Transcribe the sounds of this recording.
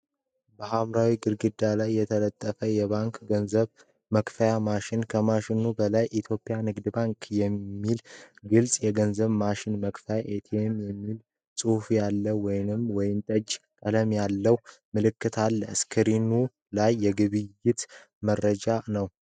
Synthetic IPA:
bəhamɾawiɡɨɾɡɨd̪ːalajːɛt̪ʰələt̪ʼːəfəjɛβaŋkɡənzəβ | məkfəjamaʃɪnkʰəmaʃɪnubəlajʔit̪ʰjo̞pʼːijanɨɡd̪baŋkjɛːilɡɨlsʼjɛɡənzəβmaʃɪnməkfəjaʔet̪ʰemjɛmːil | sʼufjalːəwɔjnɨmwɔjɪmt̪ʼəd͡ʒkʼələmjalːəwmɨlɨkːɨt̪ʰalːəskʰɨɾinu | lajːɛɡɨβɨjːɪt̪ | mərːəd͡ʒanəw

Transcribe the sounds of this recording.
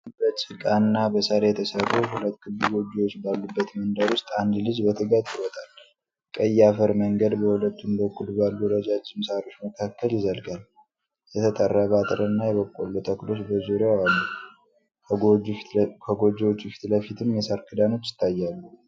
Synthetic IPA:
bət͡ʃʼɪkʼanːabəsəɾejɛt̪ʰəsərːuhulət̪ːɡɨlːuɡo̞d͡ʒːiwot͡ʃːbalːubːət̪mənd̪aɾwʊst̪ʼand̪lɨd͡ʒbət̪ʰɨɡat̪ɪwɔt̪ʼal | kʼəjːafəɾməŋɡəd̪bəhulət̪ːunb̪əkʼːud̪balːuɾəd͡ʒad͡ʒːɪmsaɾo̞t͡ʃːməkʰakːəljɪzəlɡal | jɛt̪ʰət̪ʼərːabat̪ʼɾʔənːajɛβəkʼːolːut̪ʼəkɨlo̞t͡ʃːbəzuɾewanːu | kʰəɡod͡ʒːiwot͡ʃːufi̥t̪ləfit̪ʰɨmjɛsaɾkʰɨd̪ano̞t͡ʃːjɪ̥t̪ʰːajːalːu

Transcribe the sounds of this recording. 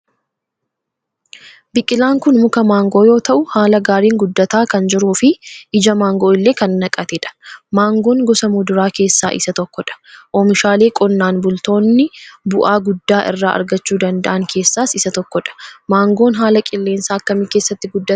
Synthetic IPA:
bɪkʼːɪlaːŋkʊnmʊkɐmaːŋɡo̞ːjo̞ːt̪ɐʔʊhaːlɐɡaːɾiːŋɡʊd̪ːɐt̪aːkɐnd͡ʒɪɾuːfɪʔɪd͡ʒɐmaːŋɡo̞ːɪlːe̞ːkɐnːɐkʼɐt̪ɛᶑɐ̥maːŋɡo̞ːŋɡɔsɐmuːd̪ʊɾaːke̞ːsːa̰ːʔɪsɐt̪ɔkːɔᶑɐ̥ʔɔmɪʃaːle̞ːkʼɔnːaːnbʊlt̪o̞ːnːɪbʊʔaːɡʊd̪ːaːʔɪ̰rːa̰ːʔɐ̰ɾɡɐt͡ʃːuːd̪ɐnd̪ɐ̰ʔɐŋkʰe̞ːsːaːsɪsɐt̪ɔkːɔᶑɐ̥maːŋɡo̞ːnɦaːlɐkʼɪlːe̞ːnsaːɐkːɐmɪkeːsːɐt̪ːɪɡʊd̪ːɐ

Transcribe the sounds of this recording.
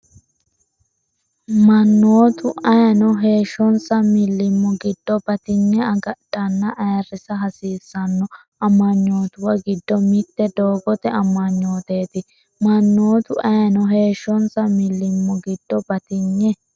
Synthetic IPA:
mɐnːoːt̪ʊɐjɐnɔɦe̞ːʃːɔnsɐmɪlːɪmːɔɡɪd̪̥ːɔbɐt̪ɪɲːɛɐɡɐɗ̥ɐnːɐʔɐjɐrɪsɐɦɐsiːsːɐnːɔ | ɐmːɐɲːo̞ːt̪ʊwɐɡɪd̪ːɔmɪt̪ːɛd̪o̞ːɡɔt̪ɛɐmːɐɲːo̞ːt̪eːt̪ɪ | mɐnːoːt̪ʊʔɐjnɔɦe̞ːʃːɔnsɐmɪlːɪmːɔɡɪd̪̥ːɔbɐt̪ɪɲːɛ

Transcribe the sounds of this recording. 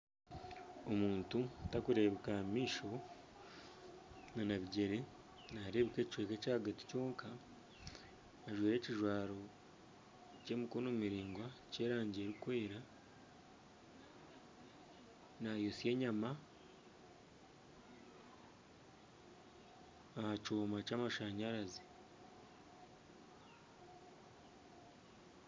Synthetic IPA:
omuːntutakuɾe̞βekamiːʃo̞ | nanaβiɟe̞ɾe̞ | naːɾe̞βekeci̥t͡ʃweːkecaːɡati̥co̞ːŋkʰa | ʒwiːɾe̞ːciʒwaːɾo̞ | ceːmukonomiɾiːŋɡwace̞ːɾaːɲɟe̞ːɾikweːɾa | najosije̞ːɲama | ahacoːmacaːmaʃaɲaɾazi

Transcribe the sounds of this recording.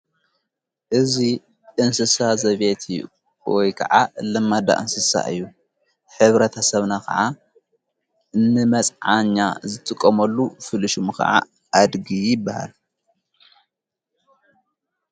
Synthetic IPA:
ʔɨzi | ʔɨnsɨsazɐβet̪ʰi | wɔjkʰɐ̰ʕalɨmːad̪a̰ʔɨnsɨsa̰ʔɨ̰jːu | ħɨβɾɐt̪ʰɐsɐβnakʰɐ̰ʕa | nɨmɐt͡sʼʕaɲːazɨt̪ʼɨkʼːɐmɐlːufɨlɨʃumkʰɐ̰ʕa̰ | ʔad̪ɡijɪbːaha̰l

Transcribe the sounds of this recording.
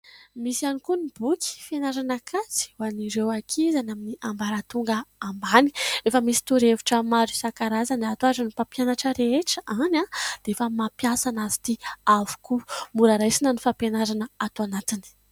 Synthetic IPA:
misianikunibukʲi̥fenaɾanakʰat͡si̥waniɾewakʰizanaminiʔambaɾat̪uŋɡəːmbani̥efəmisi̥t̪uɾevuʈ͡ʂəmaɾusakaɾazanat̪oazanipapjanaʈ͡ʂəɾeeʈ͡ʂəʔanad̪̥eefəmapjasanazi̥t̪iavu̥kumuɾaɾajsinənifapenaɾanəat̪oanat̪ini̥

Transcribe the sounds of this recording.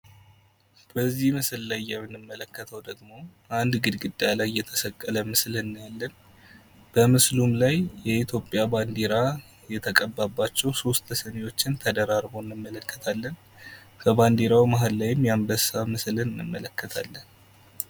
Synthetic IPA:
b̥əzːihmɨsɨllajːɛmːɨnːɨmːələkːət̪ʰəwd̪əɡmo̞ʔand̪ɡɨd̪ɡɨd̪ːajlajːɛt̪ʰə̥səkʼːələmɨslɨnːjalːən | b̥əmɨslumlajjɛit̪ʰjo̞pʼjaband̪eɾa | jɛt̪ʰəkʼəbːabːat͡ʃːɛwso̞st̪əsənewo̞t͡ʃːɪnt̪ʰəd̪əɾaɾbo̞ɪnːɨmːələkːə̥t̪ʰalːən | kʰəband̪eɾawimaɦɨllajɪmːjambəsamɨslɨnɨnːɨ̰mːə̰ləkːət̪ʰa̰lːən

